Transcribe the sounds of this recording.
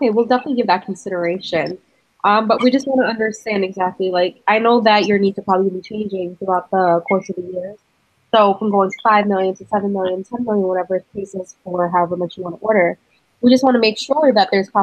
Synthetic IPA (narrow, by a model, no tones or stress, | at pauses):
oʊkeɪwilˠdɛfənətˡliɡɪvðɨt̚kʰn̩sɪɾə˞eɪʃɨ̃n | ʔʌ̃mbʌʔ̚wid͡ʒʌst̚wɑ̃ñɨʌ̃ndə˞stæ̃ndɨɡzæk̚tˡlilaɪkaɪnoʊðɨt͡ʃə˞nid̚tʰɨpʰɹ̥ɑblibit͡ʃʰẽɪ̃nd͡ʒɪ̃ŋθɹuaʊt̪̚ðəkʰɔɹsʌvðɨjɪɹz̥ | soʊɪkə̃mɡoʊɪ̃ŋtʰə̥faɪvmɪlˠjɨ̃ntʰɨsɛvə̃nmɪlˠjɨ̃ntʰɛ̃nmɪlˠjɨ̃nwʌɾɛvə˞ɨkʰeɪsɪz̥fə˞ɦəvəmʌt͡ʃwɑ̃ñəʔɔɹɾə˞ | wid͡ʒʌst̚wɑ̃ñəmeɪkʃʊɹðɨt̪̚ðə˞z̥pʰɑ